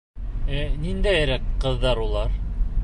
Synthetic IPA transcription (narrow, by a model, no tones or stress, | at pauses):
ænind̪æjɾækqɤ̆ðːɑɾulˠɑɾ